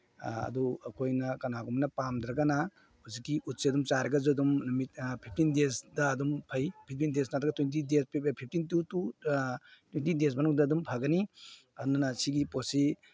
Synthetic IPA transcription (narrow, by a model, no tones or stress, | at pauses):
ɐ̰duɐkʰojnɐkɐnaɡumnɐpamd̪ɾɐɡana | huzikːiʔut̚siɐdumt͡ʃaɾɐɡɐzuɐdumnumit̚pʰip̚ʰtindesdɐːdumpʰɐjpʰip̚tindes̬natɾɐɡɐtwent̬idespʰip̚tintutu | twentides̬manuŋdɐːdumpʰaɡɐni | ɐdunɐnɐsiɡiposi